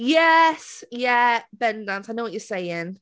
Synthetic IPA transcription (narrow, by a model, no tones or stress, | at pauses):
jɛsjɛb̥ɛ̃ndãnsaɪnoʊwʌt͡ʃəseɪɪ̃ŋ